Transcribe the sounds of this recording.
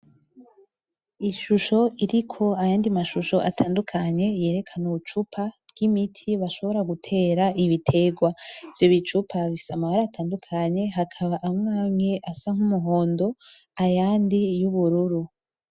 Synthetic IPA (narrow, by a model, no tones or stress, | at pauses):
iʃuʃo̞ʔiɾikʰo̞ajaːndimaʃuʃo̞ʔa̰tʰaːndukʰaɲe̞je̞ːɾe̞kʰanuut͡ʃupʰavɡ̥imitʰiβaʃo̞βo̞ɾaɡutʰe̞ːɾaʔiβitʰe̞ɡwavjo̞βit͡ʃupʰaβii̥samahaɾaːtʰaːndukʰaɲe̞ɦakʰaβaʔamŋaːŋe̞ʔasaŋ̥humuɦo̞ːndo̞ | ajaːndijuβuɾuɾu